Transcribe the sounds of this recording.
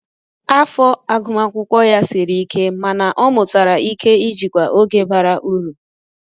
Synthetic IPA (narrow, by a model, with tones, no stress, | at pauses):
a˦fɔ˦a˦ɡʊ˨ma˨kʷʊ˦kʷɔ˦ja˦sɪ˨ɾi˦kʰe˦ma˨na˨ʔɔ˦mʊ˨ta˨ɾa˨ʔi˦kʰe˦i˦d͡ʒi˨kʷa˨ʔo˦ɡe˦ba˨ɾa˦ʔu˦ɾu˨